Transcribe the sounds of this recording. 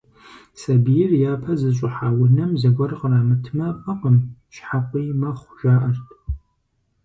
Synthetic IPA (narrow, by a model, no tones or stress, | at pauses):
sɐbijɪrjaːpʰɐzɨɕʷʼʊħaːwʊnɐmzɐɡʷɔrqəraːmɨtʰmɐfʼɐqəmʃħaqʷiːmɐχʷʒʷaːʔɐrtʰʼ